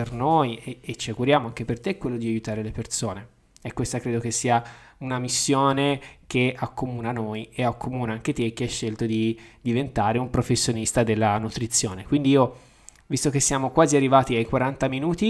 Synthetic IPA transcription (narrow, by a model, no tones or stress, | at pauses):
pernojeːt͡ʃiaɡuɾjaːmoaŋk̟epert̪ekwelːod̪iajut̪aːɾelepersoːne | ɛkːwest̪akɾeːd̪okesːiːa | unamisːjoːnek̟eakːomuːnanojeakʰːomuːnaaŋk̟et̪ek̟ːeaʃːelt̪od̪id̪ivent̪aːɾeumpɾofesːjonist̪ad̪elːanut̪ɾit̪sːjoːnekwind̪iiːo | vist̪ok̟esːjaːmokwaːziarːivaːt̪iajkwaɾant̪aminuːt̪i